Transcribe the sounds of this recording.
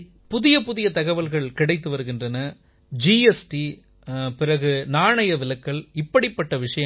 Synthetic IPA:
pʊðɪjɐpʊðɪjɐt̪ɐɣɐʋɐlɣɐɭkɪɽɐɪt̪̬ːɯʋɐɾɯɣɪndrɐnɐ | d͡ʒiɛsʈi | pɪrɐɣɯnaːɳɐjɐʋɪlɐkːɐɭɪpːɐɽɪpːɐʈːɐʋɪʂɐjɐ

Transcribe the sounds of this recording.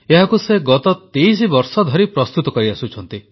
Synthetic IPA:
eɦakuseɡɔt̪ɔt̪ejsibɔɾsɔd̪ʱɔɾipɾɔst̪ut̪ɔkɔɾiasut͡ʃʰɔnt̪i

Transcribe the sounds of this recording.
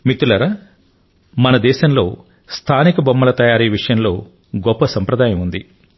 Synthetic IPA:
mit̪ːulɐɾɐ | mɐnɐd̪ɛːʃɐmlo̞̰ː | st̪ʰaːnikɐbɐmːɐlɐt̪ɐjaːɾiːʋiʂɐjɐmlo̞ː | ɡɔpːɐsɐmpɾɐd̪aːjɐmund̪i

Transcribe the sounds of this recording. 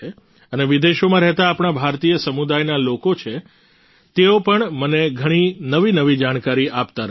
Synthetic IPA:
e | əneʋid̪eʃomãɾɛɦt̪aːpɳ̃abʱaɾt̪ijəsəmud̪ajnalokot͡ʃʰe | t̪eopəɳməneɡʱəɽ̃inəʋinəʋid͡ʒaɽ̃kaɾiʔapt̪aɾ

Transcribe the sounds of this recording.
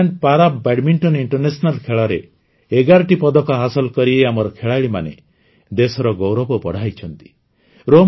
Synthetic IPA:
aɳɖpaɾabbaʈmiɳʈɔniɳʈɔɾnesɔnalkʰeɭɔɾe | eɡaɾɔʈipɔd̪ɔkɔɦasɔlkɔɾieamɔɾɔkʰeɭaɭima̰nḛ | d̪esɔɾɔɡowɾɔbɔpɔɽ̤ajt͡ʃʰɔnt̪i̥ | ɾom

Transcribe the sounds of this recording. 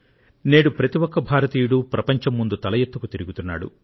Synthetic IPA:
neːɽupɾɐt̪iwɔkːɐbʱaːɾɐt̪iːjuɽupɾɐpɐɲt͡ʃɐmːund̪ut̪ɐlɐjet̪ːukut̪iɾiɡut̪unːa̰ːɽṵ

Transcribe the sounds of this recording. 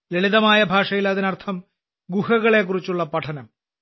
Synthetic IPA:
leɭiðɐmaːjɐbʱaːʂɐjilɐðinɐrt̪ʰɐm | ɡuhɐɣɐɭe̞k̬ːurit͡ɕːuɭːɐpɐʈʰɐnɐm

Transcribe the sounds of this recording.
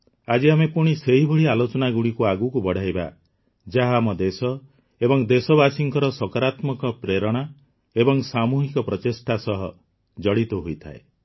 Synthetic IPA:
ad͡ʒiamepuɽ̃iseɦibʱɔɭialot͡ʃɔnaɡuɽikuaɡukubɔɽ̤ʱajba̰ | d͡ʒaɦamɔd̪esɔ | ebɔŋd̪esɔbasiŋkɔɾɔsɔkaɾat̪mɔkɔpɾeɾɔɽ̃a | ebɔŋsamuɦikɔpɾɔtesʈasɔɦɔ | d͡ʒɔɽit̪uɦojt̪ʰa̰e

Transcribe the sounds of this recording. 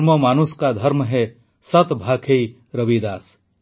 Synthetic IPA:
məmaːnuskad̪ʱɐɾmɦe | sɐt̪bʱaːkʰei | ɾɐʋid̪aːs

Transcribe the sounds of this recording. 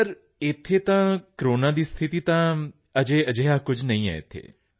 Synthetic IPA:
səɾ | ɪt̪ʰːet̪ãːkɾoːnãd̪iːst̪ʰɪt̪it̪ãː | əd͡ʒeəd͡ʒeːɦakʊd͡ʒʱnɐĩɛ̰ːḛt̪ʰḛː

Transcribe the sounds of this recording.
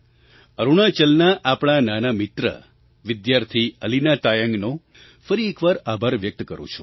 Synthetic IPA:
əɾuɳ̃at͡ʃəlnaʔapɳ̃ananamɪt̪ɾə̰ | ʋɪd̪jaɾt̪ʰiəlinat̪ajəŋɡno | fəɾiekʋaɾabʱəɾʋjək̚t̪kəɾṵ̃t͡ʃʰũ

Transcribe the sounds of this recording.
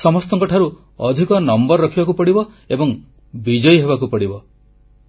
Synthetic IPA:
sɔmɔst̪ɔŋkɔʈʰaɾu | ɔd̪ʱikɔnɔmbɔɾːɔkʰibakupɔɽibɔ | ebɔŋ | bid͡ʒɔjɦebakupɔɽibɔ

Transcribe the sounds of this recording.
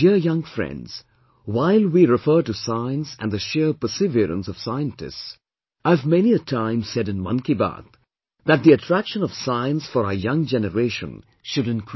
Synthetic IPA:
iəjʌ̃ŋfɹɛ̰̃ndz̥ | waɪlˠwiɹɪfɜ˞ʈusaɪə̃nsæ̰̃nðɨʃɪɹpə˞sɪviɾə̰̃nsʌv̥saɪə̃ntɨ̰sts | aɪvmɛniɨtʰãɪ̃msɛɾɨ̃nmʌ̰̃nkiba̰t̪ | ðæt̪̚d̪iɨtʰɹ̥ækʃə̃nʌv̥saɪə̃nsfɔɾəəjʌ̃ŋd͡ʒɛnəɾeɪʃə̰̃n | ʃʊɾɨ̃nkʰ

